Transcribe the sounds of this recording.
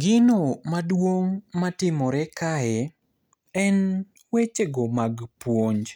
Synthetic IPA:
ɡɪnomadwoŋmatɪmɔɾɛkaɛ | ɛn | wet͡ʃeɡomaɡpwoɲd͡ʒ

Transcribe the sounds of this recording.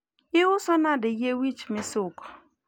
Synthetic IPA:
ɪwʊsɔnadɪjewit͡ʃmɪsʊkɔ̥

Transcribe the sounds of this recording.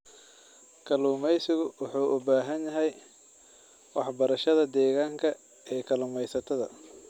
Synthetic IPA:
kʰɐluːmɛjsɪɣʊwʊħuːʔʊbaːɦɐnjɐɦɛj | wɑħbɐɾɐʃɐðɐd̪ɛːɣaːŋkʰɐ | ɛːkʰɐluːmɛjsɐt̪ʰɐðɐ̰

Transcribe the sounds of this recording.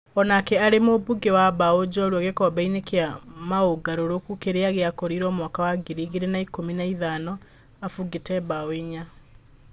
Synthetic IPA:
ɔnakɛaɾemobuɡewabaod͡ʑɔɾwɔɣekɔbainekeamaoɡaɾoɾokukeɾeaɣeakɔɾiɾɔmwakawaɡiɾiɣeɾenaikominaiðanɔ | afuɡetɛbaweɲa

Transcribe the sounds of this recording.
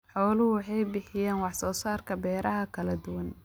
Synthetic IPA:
ħɔːlʊhʊwħɑjbɪħɪjaːnwɑħsɔːsaːrkʰɐbɛːɾʔɐɦɐkʰɐlɐd̪ʊwɐn

